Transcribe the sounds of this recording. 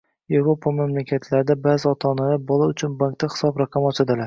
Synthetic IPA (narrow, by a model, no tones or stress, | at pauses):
je̞vɾopʰamamlakʲʰat̪ʰlaɾɪd̪abazɪɒt̪ʰaːnalaɾbɒlˠaʊt͡ʃʰʊnbaŋk̚t̪ːahɪ̥sɒbɾaqʰɑmɒt͡ʃʰad̪ɪlaɾ